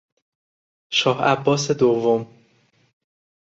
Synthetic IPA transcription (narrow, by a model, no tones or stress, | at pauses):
ʃɒːhæbːɒːsed̪ovːom